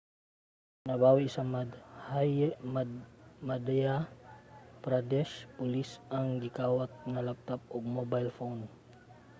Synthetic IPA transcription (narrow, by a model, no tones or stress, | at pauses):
nabawisamahaj | mad̪ɛa | pɾad̪ɛʃpulisaŋɡikawat̪̚nalap̚t̪ap̚ɔɡ̚mobajlfon